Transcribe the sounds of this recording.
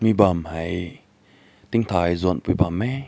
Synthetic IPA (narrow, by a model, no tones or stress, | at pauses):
mibamhaj | t̪iŋt̪ʰaːjzunpibamːɛ